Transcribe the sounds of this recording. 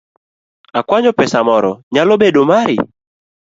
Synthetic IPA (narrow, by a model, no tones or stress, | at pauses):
akwaɲɔpɛsamɔɾɔɲalɔɓeɗomaɾɪ